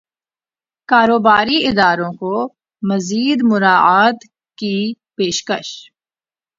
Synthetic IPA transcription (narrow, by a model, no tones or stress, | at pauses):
kaːɾoːbaːɾiɪd̪aːɾõko | mɐziːd̪mʊɾaːaːt̪ | ki | peːʃkə̰ʃ